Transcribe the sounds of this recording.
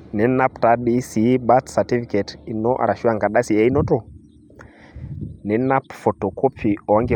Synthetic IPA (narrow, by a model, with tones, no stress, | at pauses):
nɛ˨na˦pta˦ɗi˦si˦ba˦t̪sa˨ti˦fi˦kɛ˨ti˨nɔ˦ʔa̰˨ɾa˨ʃi˦a˨ŋɡa˨ɗa˦si˨ɛ˦i˦nɔ˦tɔ˦˨ | nɛ˨na˦pfɔ˨tɔ˨ko˦pʰi˨ɔ˨a˦ŋɡɛ˨